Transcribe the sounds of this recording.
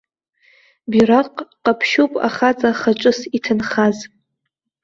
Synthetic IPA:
biraqʼqʼapʰʃupʼa̰χat͡sʼaχat͡ʃʷʼʊsitʰɨnχaz

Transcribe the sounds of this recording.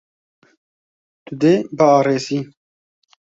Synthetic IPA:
t̪ud̪eːbəɑːɾeːziː

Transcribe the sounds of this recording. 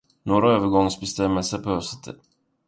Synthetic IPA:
noːɾaøːvəɡɔŋsbɛst̪ɛmːəlsəɾpʰɔœsɛ̥t̪ʰːə̰

